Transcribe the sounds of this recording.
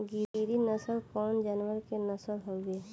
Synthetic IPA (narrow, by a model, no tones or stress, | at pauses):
ɡiiɾinəsəlkɔːnd͡ʒaːnwəɾkenəsəlɦoɡeː